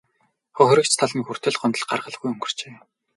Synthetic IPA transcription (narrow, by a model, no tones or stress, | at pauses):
χɔxʲrʲə̆kt͡ɕt̪ʰaɮniːxur̥t̪ɘ̆ɮɢɔnt̪ə̆ɮɢa̰rʁə̆ɮ̆ɣujɵŋɡɵ̆r̥t͡ɕeː